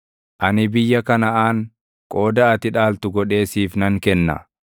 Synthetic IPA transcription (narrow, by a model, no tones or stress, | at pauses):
ʔɐnɪbɪjːɐkɐnɐʔaːŋ | kʼo̞ːd̪ɐɐt̪ɪᶑaːlt̪ʊɡɔᶑe̞ːsiːfnɐŋkɛnːɐ̰